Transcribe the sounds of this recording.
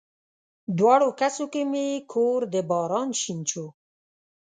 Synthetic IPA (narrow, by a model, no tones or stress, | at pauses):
d̪wɑɽokasokemekʰoɾd̪əbɑɾɑnʃint͡ʃʰo